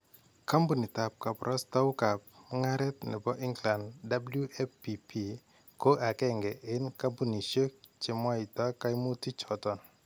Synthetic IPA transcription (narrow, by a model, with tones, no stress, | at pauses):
ka˦mbu˨ni˨ta˨p̚ka˨pɾʔɔ˦sta˦wka˨p̚m˦ŋa˦ɾɛ˦tnɛ̰˨bɔ˦ʔɪ˦ŋɡla˨nda˦blju˦ʔɛ˦pi˨pʰi˨ | ko˦ʔa˨kɛ˦ŋɡɛ˨ʔɪ˦nka˦mbu˨ni˨ʃo˦k̚t͡ʃe˨mwa˦i˨ta˦ka˦jmu˦ti˦t͡ʃɔ˨tɔ˨n